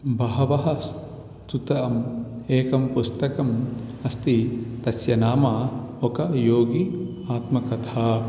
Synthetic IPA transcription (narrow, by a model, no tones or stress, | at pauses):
bɐɦɐʋɐɦɐs | t̪ut̪ɐɐmeːkɐmpust̪ɐkɐmɐst̪it̪ɐsjɐnaːmɐ | okɐjoːɡi | aːt̪mɐkɐt̪ʰaː